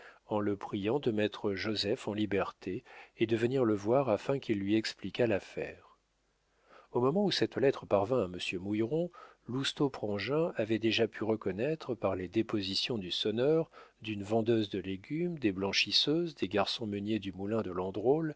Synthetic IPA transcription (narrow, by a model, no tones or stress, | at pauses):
ɑ̃ləpχijɑ̃d̪əmɛt̪χəʒozɛfɑ̃libɛʁt̪ʰeːd̪əvəniʁləvwaʁafɛ̃kʲilːɥiɛksplikʲalafɛ̰ːʁ | omɔmɑ̃usɛt̪lɛt̪χəpaʁvɛ̃aməsjømujʁɔ̃ | lust̪opχɑ̃ʒɛ̃avɛd̪eʒapʰyʁəkɔnɛt̪χəpaʁled̪epɔzisjɔ̃d̪ysɔnœʁd̪ynvɑ̃d̪øzd̪əleɡʲymd̪eblɑ̃ʃisøzd̪eɡaʁsɔ̃mənjed̪ymulɛ̃d̪əlɑ̃d̪ʁol